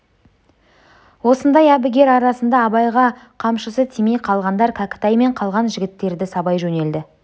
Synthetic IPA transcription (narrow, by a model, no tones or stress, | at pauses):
wo̞sənd̪ɑjæbɪɡʲe̞ɾɑɾɑsənd̪ɑːbɑjʁɑqʰɑmʃəsət̪ʰimejqʰɑlˠʁɑnd̪ɑɾkʰakʲɪ̥t̪ɑjme̞ɴqʰɑlˠʁɑnʒɪɡʲɪt̪ːe̞ɾd̪ɪsɑbɑjʒɵne̞ld̪ɪ